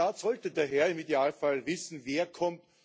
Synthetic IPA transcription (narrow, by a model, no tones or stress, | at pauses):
aːtz̥ɔltədeːɐɦɛɐɪmideaːlfalvɪsn̩veːɐkʰɔmt